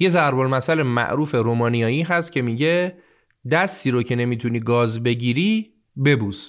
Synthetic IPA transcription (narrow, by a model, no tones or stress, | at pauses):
je̞zæɾbolmæsælemæ̰ʔɾuːfe̞ɾoːmɒːnijɒːjiːɦæst̪̚cʰe̞miːɟe̞ | d̪æst̪iːɾocʰe̞ne̞miːt̪ʰuniːɡɒːzbe̞ɟiːɾi | be̞buːs